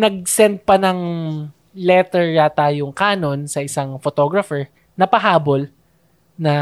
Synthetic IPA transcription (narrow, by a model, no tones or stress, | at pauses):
nɐɡ̚sɛnd̪̚pɐnɐŋ | lɛt̪ɛɹjɐt̪aːjoŋkaːno̞nsɐʔɪsɐŋfot̪o̞ɡɹɐfɛɹ | nɐpɐɦaːbo̞l | nɐ